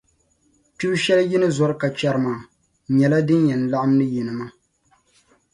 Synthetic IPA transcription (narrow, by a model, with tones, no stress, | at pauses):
pi˦ʃɛ˦lji˦nɨ˦zɔ˨ɾɨ˦ka˨t͡ʃɛ˨ɾɨ˦maː˨ | ɲɛ˨la˦dɨ˦njɛ˨n˨la˦ʔa˦mnɨ˦ji˨nɨ˨ma˦